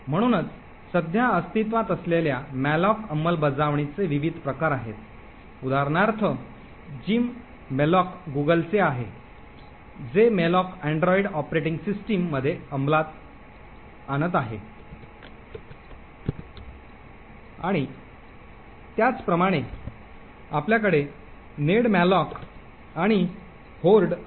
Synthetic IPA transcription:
m̤əɽ̃uːnət͡s | səd̪ʱjaəst̪it̪ʋat̪əsleljamælɔkəmːəlbəd͡zaʋɳit͡seʋiʋid̪ʱpɾəkaɾaɦet̪ | ud̪ʱaɾɳaɾt̪ʰə | d͡ʑiːmː | elɔkɡuɡəlt͡seaɦe | d͡zemelɔkæɳɖɾɔiɖɔpɾeʈiŋɡsisʈimːəd̪ʱːjeəmblat̪ | añət̪̬aɦe | aɽ̃i | t̪jat͡spɾəmaɽ̃e | apljak̬əɽe | neɽmælɔk | aɽ̃i | holɖ

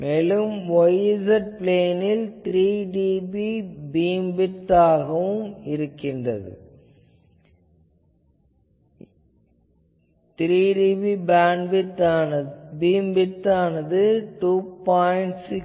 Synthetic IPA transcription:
meːlɯmʋɔjsɐʈ̚pleːnɪlt̪ɪɾiːɖiːbibiːmbɪʈːaːɣɐʋɯmɪɾɯkːɪndrɐ̰ðɯ̰ | t̪ɾiːɖiːbibaːɳɖbɪʈː | biːmbɪʈːaːnɐðɯʈuːpaːɪɳʈsɪk

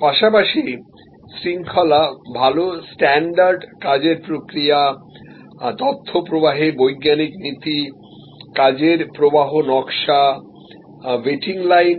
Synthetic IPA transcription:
paʃapaʃi | sɾiŋkʰɔlabʱalosʈɛɳɖaɾɖkad͡ʑeɾpɾokɾija | t̪ɔt̪ʰːopɾobaɦebojɡːaniknit̪i | kad͡ʑeɾpɾobaɦonɔkʃa | veʈiŋlajn

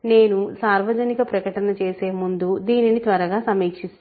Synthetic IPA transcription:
ne̞ːnusaːɾʋɐd͡ʒɐnikɐpɾɐkɐʈɐnɐt͡ʃeːse̞ːmund̪ud̪iːninit̪ʋɐɾɐɡaːsɐmeːkʂi

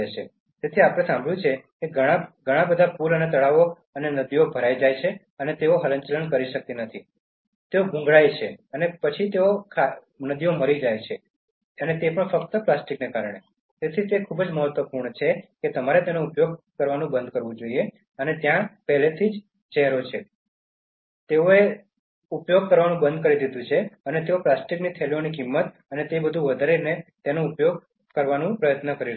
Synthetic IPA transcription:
et͡ʃʰe | t̪et̪ʰiapəɽ̃esãmbʱəɭjũt͡ʃʰekeɡʱəɽ̃aɡʱəɽ̃ãbəd̪ʱapuɾənet̪̬əɭaʋo | ənenəd̪iobʱəɾajd͡ʒajt͡ʃʰe | ənet̪eoɦələɲt͡ʃələnkəɾiʃək̚t̪inət̪ʰi | t̪eoɡʱũŋɡɭajt͡ʃʰeənepət͡ʃʰit̪eokʰa | nəd̪ioməɾid͡ʒajt͡ʃʰe | ənet̪epəɳfəkt̪əplasʈiknekaɾəɳ̃e | t̪et̪ʰit̪ekʰubd͡ʒməɦət̪ʋəpuɾɳət͡ʃʰeket̪əmaɾet̪enoupjoɡ̚kəɾʋanũbə̃nd̪̚ʱkəɾʋũd͡ʒoie | ənet̪jãpɛɦlet̪ʰid͡ʒ | t͡ʃɛɦɾot͡ʃʰe | t̪eoe | upjoɡ̚kəɾʋanũbənd̪̚ʱkəɾid̪id̪ũt͡ʃʰeənet̪eoplasʈiknit̪ʰelionikimːət̪ | ənet̪ebəd̪ʱũʋəd̪ʱaɾenet̪enoupjoɡ̚ | kəɾʋanũpɾəjət̪nəkəɾi

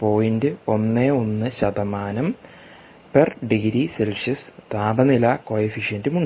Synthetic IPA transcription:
po̞ːjindɨo̞nːeonːɨɕɐd̪ɐmaːnɐm | perɖiɡiɾiselʂɐst̪aːbɐnilɐkojifiʂjɐndumuɳɖ

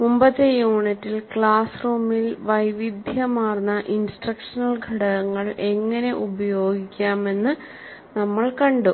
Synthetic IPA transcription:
mumbɐðejuːɳitːilkɭaːsruːmilʋɐjʋid̪ʱjɐmaːrnːɐʔinsʈrɐkʂɐnɐlɡʱɐɽɐɣɐŋːɐɭʔe̞ŋːɐne̞ʔubɐjo̞ːɡikʲːaːme̞nːɨ | nɐmːɐɭkɐɳɖu

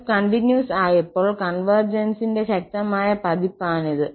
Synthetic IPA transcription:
kɐɳʈinjuːsaːjɐpːoːɭkɐnʋɐrd͡ʑɐnsinde̞ɕɐk̚t̪ɐmaːjɐpɐd̪ipːaːnɐðɨ

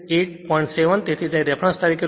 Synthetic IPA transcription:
eʈ̚pɔjɳʈseʋənt̪et̪ʰid͡ʒaid̪ɛpʰɾãst̪aɾikʰe

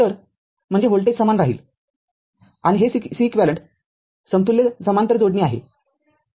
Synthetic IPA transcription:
t̪əɾ | m̤əɳd͡zeɦoɭʈesəmanɾaɦḭːl | aɽ̃iɦesisiːkʋæləɳʈ | səmt̪ulːjed͡zəmant̪əɾd͡zoɽniːaɦḛ

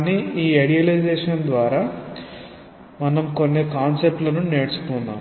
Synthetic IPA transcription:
niiːeɽijɐlid͡ʒɛːʂɐnd̪ʋaːɾaː | mɐnɐmko̞nːikaːnsep̚ʈlɐnuneːɽt͡ʃu̥t̪unːaːm

